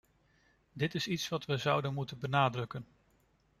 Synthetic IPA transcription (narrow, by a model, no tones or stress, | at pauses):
dɪtɪsitsʋɑtʋəzʌwdənmutənbənaːdrɵkən